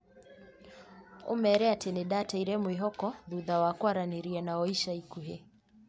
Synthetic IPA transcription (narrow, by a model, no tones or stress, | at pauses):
ṵmɛːɾɛatɛnɛɗataiɾɛmuiɦɔkɔðuðawakwaɾaniɾiɛnaɔiʃaikuɦɛ